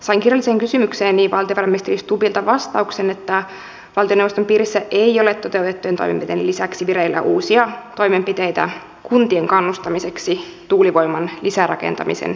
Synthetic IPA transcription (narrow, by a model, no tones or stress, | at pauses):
sɑiŋkirjɑlːiseːŋkysymykseːnniʋɑlt̪ioʋɑɾɑmːiist̪erist̪upilt̪ɑʋɑst̪ɑuksenet̪ːæ | ʋɑlt̪ionewʋost̪ompiːɾisːæʔejo̞let̪ːo̞t̪e̞uwt̪et̪ːujent̪o̞̰jmempit̪ejnelisæksiʋiɾeilːæ̰ʔuːsiɑt̪o̞jme̞mpit̪ejt̪æ̰ | kunt̪ieŋkɑnːust̪ɑmise̞ksit̪uːliʋo̞jmɑnlisærɑ̰kḛnt̪ɑ̰mḭsḛn